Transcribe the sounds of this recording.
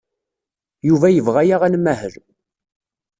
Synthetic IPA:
juvæjəvʁæjaʁænmːæhəl

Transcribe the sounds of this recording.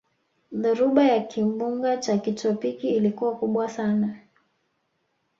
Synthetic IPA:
ðuɾuɓajakʰimbuŋɡat͡ʃakitɔpikiːlikuwakuɓwasana

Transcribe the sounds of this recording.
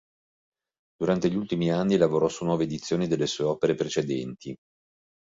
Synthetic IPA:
d̪̥uɾant̪eʎult̪imianːilavoɾɔsunːwɔːved̪it̪sːjoːnid̪elːesuːeɔːpeɾepɾet͡ʃed̪ɛnt̪ʰi

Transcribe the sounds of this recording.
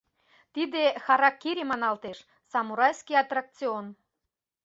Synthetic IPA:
t̪id̪exɑɾɑkːiɾʲemɑnɑlt̪eʃ | sɑmuɾɑjskijɑt̪rɑk̚t͡sion

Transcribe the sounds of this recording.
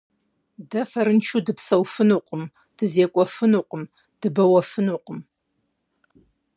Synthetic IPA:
dɐfɐɾɨnt͡ʃʰudɨpsɐwfɨnuːqəm | d̥ɨzeːkʷʼɔfɨnuːqəm | d̥ɨbɐwɐfɨnuːqəm

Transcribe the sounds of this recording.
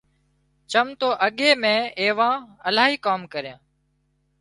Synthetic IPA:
t͡ʃəmt̪oːʔəɠeːmẽːeːʋãːəlaːɦiːkaːmkəɾjãː

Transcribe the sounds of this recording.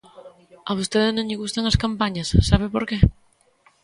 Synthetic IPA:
ɐβ̞ost̪eðɪnõŋʎɪɣust̪aŋɐskampaɲɐsːaβ̞ɪpoɾke

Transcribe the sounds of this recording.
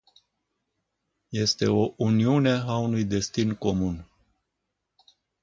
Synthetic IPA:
je̞st̪e̞o̞ʔuniune̞aunujd̪e̞st̪inko̞mun

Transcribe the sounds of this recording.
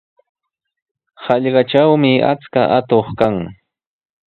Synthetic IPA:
hɑʎɢɑʈ͡ʂawmɪa̰t͡skaʔat̪oχkaŋ

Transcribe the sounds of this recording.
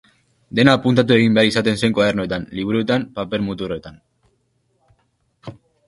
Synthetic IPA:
d̪e̞naːpunt̪at̪̬ue̞ɣ̞imbe̞aɾisat̪e̞nseŋkwað̞e̞rnoe̞t̪anliβ̞uɾue̞t̪ampape̞lmut̪uroe̞t̪an

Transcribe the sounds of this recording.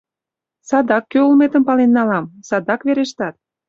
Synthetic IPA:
sɑd̪ɑkːøolmet̪ə̆mpɑlenːɑlɑmsɑd̪ɑkβeɾeʃt̪ɑt̪̚

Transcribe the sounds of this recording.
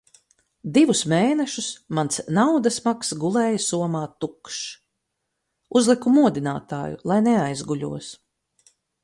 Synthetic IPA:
d̪ivusmeːnɛʃusmansnawd̪asmaksɡulˠɛːjasuɔmaːt̪ːukʃ | uzlˠikumuɔd̪ina̰ːt̪a̰ːjṵlˠajnɛajzɡuʎʲṵɔs

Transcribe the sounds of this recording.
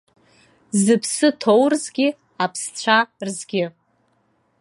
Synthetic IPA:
zɨpʰsɨtʰowrzɡʲɪ | apʰst͡ɕʷʰarzɡʲɪ

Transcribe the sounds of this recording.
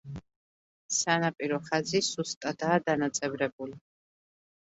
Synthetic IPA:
sanapʼiɾɔχazisust̪ʼad̪aːd̪anat̪sʼɛbɾɛbuli

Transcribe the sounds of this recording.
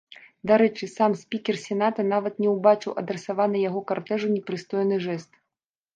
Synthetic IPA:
d̪aɾɛt͡ʂɨsamsʲpʲikʲɛrsʲɛn̪at̪ɐn̪avɐt̪nʲɛwbat͡ʂɨwʔɐd̪ɾɛsavanɨjaɣɔkart̪ɛʐunʲɛpɾɨst̪ɔjnɨʐɛst̪

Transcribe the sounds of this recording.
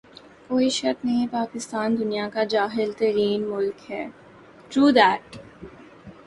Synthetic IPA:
koːiʃɐɾknɐɦĩpaːkɪst̪aːnd̪ʊnijakad͡ʒaːɦɪlt̪ɐɾiːnmʊlkhɛː | ʈɾuːd̪ɛːʈ

